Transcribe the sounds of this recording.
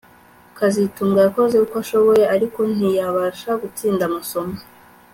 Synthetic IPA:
kazituːmɡajako̞zekukaʃo̞βo̞je̞ʔaɾiko̞n̥ijaβaʃaɡut͡siːndamaso̞ma

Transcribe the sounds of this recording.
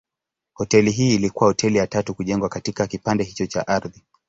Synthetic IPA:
hɔtɛliɦiːlikuwahɔtʰɛlijatatukuʄɛŋɡwakatikakipandɛhit͡ʃɔt͡ʃa̰ʔaɾði

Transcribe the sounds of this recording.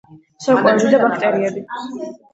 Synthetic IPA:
sɔkʼwɛɛbid̪abakʰt̪ʼɛɾiɛbi

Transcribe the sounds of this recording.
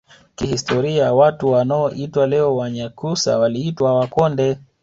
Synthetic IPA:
kihistɔɾiawatuwanaɔʔitwalɛɔwaɲakusa̰waliitwawakɔndɛ

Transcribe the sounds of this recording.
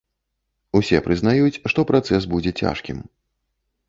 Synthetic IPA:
usʲɛpɾɨznajut͡sʲʂt̪ɔpɾat̪sɛs̬bud͡zʲɛt͡sʲa̰ʂkʲḭm

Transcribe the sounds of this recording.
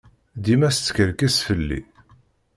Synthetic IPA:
d̪imæst͡sːkəɾkæsfəlːḭ

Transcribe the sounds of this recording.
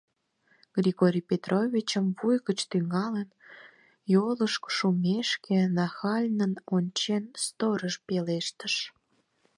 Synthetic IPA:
ɡ̥rʲiɣoɾʲipet̪rʔovʲit͡ɕəmvujɣət͡ɕt̪yŋɑlen | joləʃko̥ʃumʲeʃkenɑxɑlʲnənonʲt͡ɕenst̪oɾəʃpeleʃt̪əʃ

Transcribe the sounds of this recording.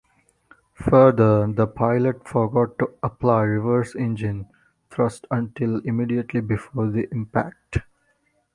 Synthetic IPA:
fəɾd̪əɾd̪əpʰaɪləʈfɔɾɡɔːʈːuəplaɪɾɪʋəɾsẽnd͡ʒɪ̃n | t̪ʰɾʌsʈʰə̃ɳʈɪlɪmiːɖiəʈlibɪfoːɾd̪iʔɪ̃mpæ̰k̚ʈ

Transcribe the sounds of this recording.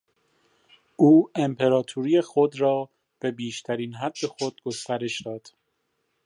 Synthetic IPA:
ʔuːempʰe̞ɾɒːt̪ʰuɾijexod̪ɾɒː | b̥e̞biːʃt̪ʰæɾiːnɦæd̪̥ːe̞xod̪̥̚ɡo̞st̪æɾe̞ʃd̪ɒːd̪̥

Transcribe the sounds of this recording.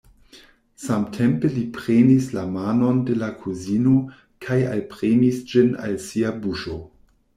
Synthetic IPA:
samtʰe̞mpelipɾenislamano̞nde̞lakʰuzino̞ | kʰaja̰lpɾenisd͡ʒina̰lsiabuʃo̞

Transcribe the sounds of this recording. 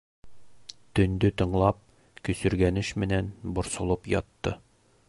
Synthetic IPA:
t̪ɵ̆nd̪ɵt̪ɤ̆ɴlˠɑp̚ | kɵ̆sɵ̆ɾɡænɘɕmɘ̆nænbŏɾsŏlˠɤpjɒt̪ːɤ

